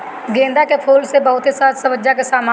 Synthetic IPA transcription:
ɡẽːnd̪akepʰuːlsebɐɦʊt̪ɦesaːt̪sɐməd͡ʒakesaːma

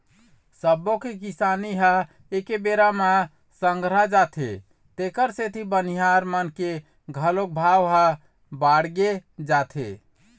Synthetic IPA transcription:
səbokekisaniɦa | ekebeɾama | səŋɡɾad͡ʒat̪ʰḛ | t̪ekəɾset̪ʰibəniɦaɾmənke | ɡʱəlok̚bʱawɦa | baɽɡed͡ʒat̪ʰḛ

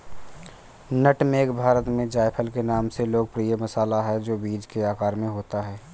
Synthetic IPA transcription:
nəʈmẽkbʱaːɾət̪mẽd͡ʒaːɪpʰəlkenaːmseloːɡ̚pɾijəmɐsaːlaɦɛd͡ʒoːbiːd͡ʒkeaːkaːɾmẽɦoːt̪aɦɛː

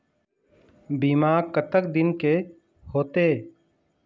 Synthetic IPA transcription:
biːmaːɾkət̪ək̚d̪ɪnke | hoːt̪e

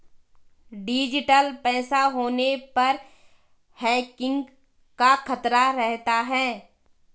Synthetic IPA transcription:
ɖɪːd͡ʒɪʈəlpɛːsaɦoːnepɐɾ | hɛːkɪ̃ŋɡ | kaxʰɐt̪ɾaɾɛɦt̪aɦɛː

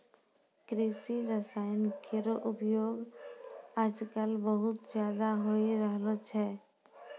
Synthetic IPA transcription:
kɾisiɾəsaːjənkʰeɾoʔʊpjoːɡ | aːd͡ʒkəlbəɦʊt̪d͡ʒjaːd̪aɦoiɾəɦlət͡ʃɦɛː

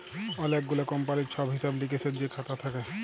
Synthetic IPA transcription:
ɔlek̚ɡulakɔmp̬aɾit͡ʃʰɔbɦisablikesʰed͡ʒekʰat̪at̪ʰakɛ

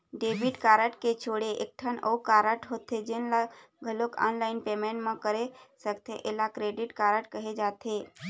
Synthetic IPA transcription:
ɖeːbɪʈkaːɾəʈket͡ʃʰoːɽeʔḛk̚ʈʰənə̰ukaːɾəʈɦot̪ʰed͡ʒɪnla | ɡʱəloka̰ːnlaːɪnpemẽːʈmẽkəɾesəkt̪ẽʔelakɾeːɖɪʈkaːɾəʈkəɦed͡ʒaːt̪eː

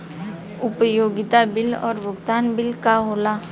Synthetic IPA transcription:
ʊpəjoːɡɪt̪abɪlɔ̰ːɾʋʊɡt̪aːnbɪlkaɦoːla

